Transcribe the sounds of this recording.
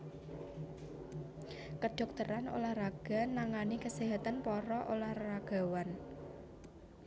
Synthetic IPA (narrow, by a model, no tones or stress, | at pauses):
kəɖ̥ɔ̤k̚t̪əɾano̰lahraɡ̥a̤naŋanikəseɦat̪anpɔɾɔʔolahraɡ̥a̤wan